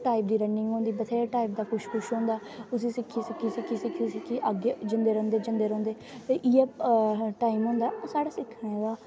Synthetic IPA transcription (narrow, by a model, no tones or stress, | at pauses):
ʈaːip̚d̪iːɾəɳɖɪŋɡɦõːnd̪iːbət̪ʰeːʈaːiːp̚d̪aːkʊʃkʰʊʃɦõːnd̪aː | ʊsĩːsɪkʰːiːsɪkʰːiːsɪkʰːiːsɪk̪ʰisɪkʰiːʔəɡeːd͡ʒənd̪eːɾõːnd̪eːd͡ʒənd̪eːɾõːnd̪eːʔiːepʈaːimɦõːnd̪aːoːsaːɽaːsɪkʰːɽeːʋaː